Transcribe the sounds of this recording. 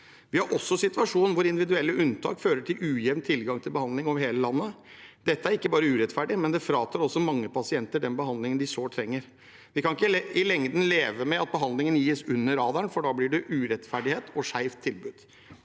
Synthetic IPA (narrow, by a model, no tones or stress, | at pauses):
ʋɪhɑɾʔɔsːɔsɪt̪ʉɑʂuːnn̩ʋʊɾɪnd̪ɪʋɪd̪ʉɛlːəʔʉnt̪ʰɑ̰ːkføːɾəʈʰɪlʉːjɛʋnt̪ʰɪlɡɑŋt̪ʰɪlbəhɑnd̪lɪŋɔʋheːləlɑnːə | d̪̥ɛt̪ːəæɾɪkːəbɑːɾəʉːɾɛt̪fæɖɪmɛnd̪ɛfɾɑːt̪ʰɑːɾɔsːɔmɑŋːəpɑsɪɛnt̪əɖɛnbəɦɑnd̪lɪŋənd̪ɪsoːt̪ʰɾɛŋːəɾ | ʋɪkʰɑnɪkːəɪlɛŋd̪n̩leːʋəmɛɑt̪̚bəɦɑnd̪lɪŋənjiːsʉnːəɾɑːd̪æɳnfɔɖɑːblɪɖɛʔʉːɾɛt̪fæɖɪheːt̪ʰɔʂæɪft̪ʰːɪlbʉːd̪